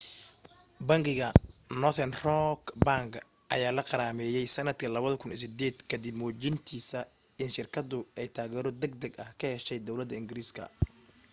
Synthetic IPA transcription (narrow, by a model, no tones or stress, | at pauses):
bɐŋɡɪɣɐnɔθɛnrɔkbaːŋɡ | ʔɐ̰jaːlɐqɑɾaːmɛːjɛjsɐnɐd̪kʰɐlɐβɐðɐkʰʊnsɪd̪ɛːd̪kʰɐd̪ɪbmɔːt͡ʃɪnt̪ʰiːsɐɪnʃɪrkʰɐd̪ʊɛjt̪ʰaːɣɛːɾɔd̪ɐɡ̚d̪ɐɡɐhkʰɐhɛʃɛjd̪ɔwlɐd̪ːɐɪŋɡɪɾiːskʰɐ̰